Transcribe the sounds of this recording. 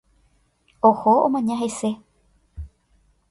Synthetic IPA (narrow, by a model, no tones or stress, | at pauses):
ohoõmãɲãɦe̞se